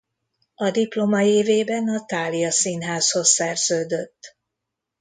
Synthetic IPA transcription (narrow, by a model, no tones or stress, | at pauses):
ɒd̪iplo̞mɒeːveːbɛnɒt̪aːlijɒsinɦaːsho̞sːɛrz̥øːd̪øt̪ː